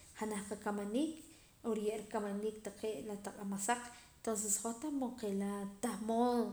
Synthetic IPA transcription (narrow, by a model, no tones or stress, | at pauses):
χanahqakamaniːk | oɾjeʔɾikamaniːk̚t̪aqeːʔlat̪aqʼamasaq͡χ̪ | t̪ons̬esχot̪amoqelat̪ahmoːŋ